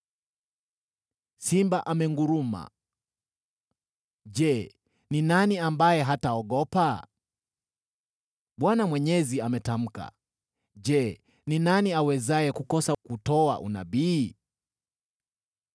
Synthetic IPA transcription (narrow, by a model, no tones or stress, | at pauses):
simbaʔamɛŋɡuɾuma̰ | ʄɛ | ninaniambajɛɦataɔɠɔpa | ɓwanamwɛɲɛziamɛtam̩ka̰ | ʄɛ | ninaniawɛzajɛkukɔsakutɔa̰ʔṵna̰ɓiː